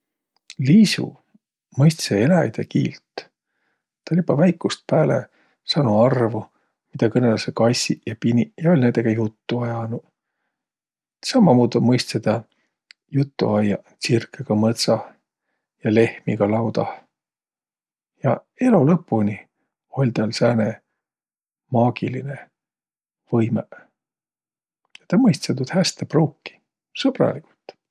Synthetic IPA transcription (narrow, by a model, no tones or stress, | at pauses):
liːsṵ | mɤjst̪seelæjd̪̥ḛkḭːlt̪ | t̪ːɑlʲibɑvæjkːust̪̚pæːlḛ | sɑnuɑrvu | mid̪̥ɑkɤne̞lɑsekɑjsʲijɑpinijɑo̞lʲnænd̪eɡ̥ɑjut̪ːuɑjɑnu | sɑmːɑmuːd̪umɤjst̪sed̪ɑ | jut̪ːṵɑjɑ | t͡sirkːˑeɡ̥ɑmɤt̪sɑ | jɑle̞hmiɡ̥ɑlɑwd̪ɑ | jɑ | e̞lolɤpːˑuni | o̞lʲt̪æːlsæːne | mɑːɡ̥iline | vɤjme | ɑt̪ɑmɤjst̪set̪ud̪̥hæst̪epruːkːi̥ | sɤb̥rɑ̰likult̪ːˑ